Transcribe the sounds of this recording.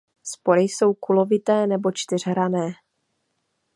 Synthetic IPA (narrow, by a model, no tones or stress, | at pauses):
spo̞ɾɪjso̞wkulo̞vɪt̪ɛːnɛbo̞t͡ʃt̪ɪr̝ɦɾanɛː